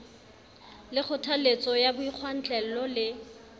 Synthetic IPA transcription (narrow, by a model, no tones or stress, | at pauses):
lɪk͡xʰʊtʰalet͡sʼɔjabʊiq͡χʰwan̩t͡ɬʼɛl̩lɔlɪ